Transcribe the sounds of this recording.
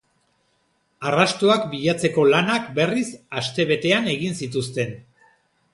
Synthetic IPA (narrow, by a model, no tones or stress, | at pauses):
arast̪oakbiʎat͡se̞ko̞lanakbe̞risast̪e̞β̞e̞t̪e̞ane̞ɣinsit̪̬ust̪e̞n